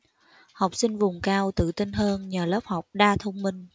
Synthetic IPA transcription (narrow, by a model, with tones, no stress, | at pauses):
ha˨˩wk͡p̚sï˧ŋ̟vʊ˨˩ŋ͡mkaː˧wt̪ɨ̰˧˨t̪i˧nɦəː˧nɲəː˨˩ləː˦˥p̚ha˨˩wk͡p̚ɗaː˧t̪ʰə˧wŋ͡mmï˧ŋ̟